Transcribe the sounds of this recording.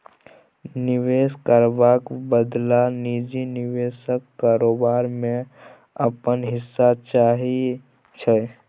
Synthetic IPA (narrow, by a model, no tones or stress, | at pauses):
nɪweːskəɾbakbəd̪lanid͡ʒinɪweːsəkːaːɾoːbaːɾmẽ | əpənɦɪsːat͡ʃaːɦi | t͡ʃʰɛ